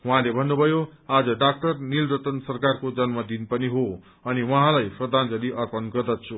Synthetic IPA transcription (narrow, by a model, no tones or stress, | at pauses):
wʌɦãlebʱʌnːubʱʌjoad͡zʌɖak̚ʈʌrnilɾʌt̪ʌnsʌrkarkod͡zʌnmʌd̪inpʌniɦo | ʌniwʌɦãlajprʌd̪ʱand͡zʌliʔʌrpʌnɡʌrd̪ʌt͡sʰu